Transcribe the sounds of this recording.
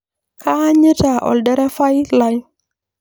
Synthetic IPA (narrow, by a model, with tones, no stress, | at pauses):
kʰa˦ɲə˦ta˨ʔɔ̰˨ldɛ˦ɾa˦fa˦jla˦j